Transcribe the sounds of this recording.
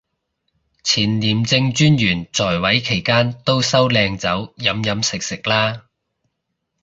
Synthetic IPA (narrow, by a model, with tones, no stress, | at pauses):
t͡sʰiː˨˩nliː˨˩mt͡sɪ˧ŋt͡ʃyː˥njyː˨˩nt͡sɔː˨˩jwɐ˨˥jkʰe˨˩jkaː˥nt̪o˥wsɐ˥wlɛː˧ŋt͡sɐ˨˥wjɐ˨˥mjɐ˨˥msɪ˨k̚sɪ˨k̚laː˥